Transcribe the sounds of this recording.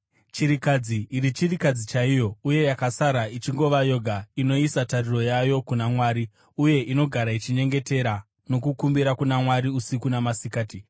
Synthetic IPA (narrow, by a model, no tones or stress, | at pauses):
t͡ʃiɾikad͡ziʔːɾit͡ʃirikad͡zit͡ʃaijo̞uje̞jakasaɾait͡ʃiŋɡo̞ʋajo̞ɡʱaino̞isatariro̞jajo̞kunamwaːɾi | uje̞ʔino̞ɡʱaɾait͡ʃiɲe̞ŋɡe̞te̞ɾa | no̞kukumbiɾakunamwaɾiusikunamasikaːti